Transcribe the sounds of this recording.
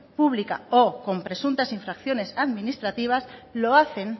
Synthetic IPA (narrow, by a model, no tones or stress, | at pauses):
puβlika̰oko̞mpɾe̞sunt̪asiɱfɾakθjo̞ne̞saðminist̪ɾat̪iβ̞aslo̞aθe̞ŋ